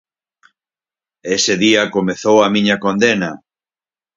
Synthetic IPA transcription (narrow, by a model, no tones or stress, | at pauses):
esɪðiɐkomeθowɐmĩɲɐkond̪enɐ